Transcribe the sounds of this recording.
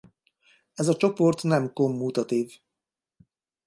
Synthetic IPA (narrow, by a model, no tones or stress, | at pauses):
ɛzɒt͡ʃo̞po̞rt̪nɛmko̞mːut̪ɒt̪iːv